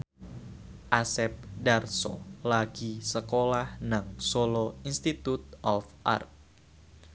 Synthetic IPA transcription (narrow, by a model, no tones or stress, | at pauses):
ʔasɛp̚darsɔ̰laɡ̥isəkolahnaŋsolɔinst̪it̪ut̪̚ʔɔfʔa̰rt̚